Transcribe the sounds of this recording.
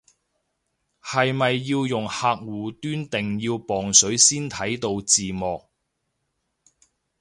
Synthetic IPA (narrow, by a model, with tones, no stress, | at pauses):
hɐ˨jmɐ˨jːiː˧wjʊ˨ŋhaː˧k̚wuː˨˩t̪yː˥nt̪ɪ˨ŋjiː˧wpɔː˨˩ŋsɵ˨˥ɥsiː˥nt̪ʰɐ˨˥jt̪o˧wt͡siː˨mɔː˨k̚